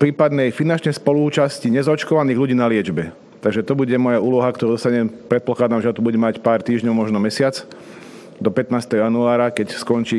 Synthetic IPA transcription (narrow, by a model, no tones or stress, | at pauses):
pɾiːpad̪nɛjfinant͡ʃɲɛjspɔluːt͡ʃasciɲɛzaɔt͡ʃkɔʋaniːɣʎuɟiːnalɪɛd͡ʒbɛ | t̪aɡʒɛt̪ɔbuɟɛmɔjauːlɔɦakt̪ɔɾud̪ɔst̪aɲɛmpɾɛt̪̚plɔxlaːd̪namʒat̪ubuɟɛmacpaːɾt̪iːʒɲɔʊmɔʒnɔmɛsɪat͡s | d̪ɔpɛt̪naːst̪ɛɦɔjanuaːɾakɛcskɔnt͡ʃiː